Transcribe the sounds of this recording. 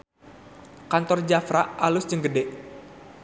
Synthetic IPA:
kant̪ɔrd͡ʒafɾaʔʔalʊsd͡ʒəŋɡədɛʔ

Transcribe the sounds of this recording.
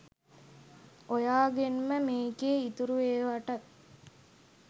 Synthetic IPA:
ojaːɡenməmeːkeːit̪uɾuʋeːʋaʈɐt̪̚

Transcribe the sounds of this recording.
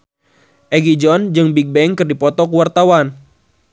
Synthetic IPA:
ʔɛɡid͡ʒɔnd͡ʒɨŋbik̚bɛŋkɨrdipɔt̪ɔkuwart̪awan

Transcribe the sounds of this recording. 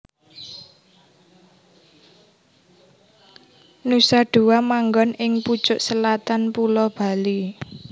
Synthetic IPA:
nusaɖ̥ṳwamaŋɡɔnɪŋpu̥t͡ʃʊʔsəlat̪anpulɔb̥a̤li

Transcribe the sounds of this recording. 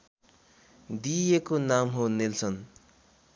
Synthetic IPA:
d̪ijekonamɦonilsʌn

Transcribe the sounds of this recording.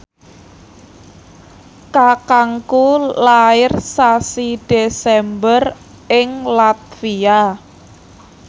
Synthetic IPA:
kakaŋkulaɪrsasid̥esɛmbər | ɪŋlat̪̚fia

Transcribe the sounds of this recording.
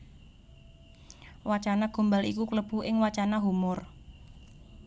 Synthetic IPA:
wat͡ʃanaɡ̥o̤mbalikukləb̥ṳɪŋwat͡ʃanaɦumʊr

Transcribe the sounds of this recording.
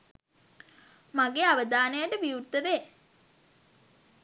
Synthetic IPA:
maɡeːaʋəd̪aːnəjəʈəʋiut̪ːəʋeː

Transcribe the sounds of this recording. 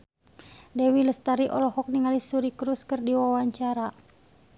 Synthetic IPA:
dɛwiləst̪aɾiʔɔlɔhɔk̚niŋalisuɾikɾuskɨrdiwawaɲt͡ʃaɾa

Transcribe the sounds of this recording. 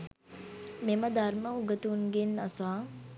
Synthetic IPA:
meməd̪arməuɡət̪unɡenːasaː

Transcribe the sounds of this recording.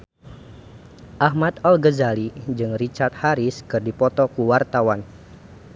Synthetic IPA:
ʔahmat̪ɔlɡəzalid͡ʒɨŋrit͡ʃart̪̚haɾiskɨrdipɔt̪ɔkuwart̪awan

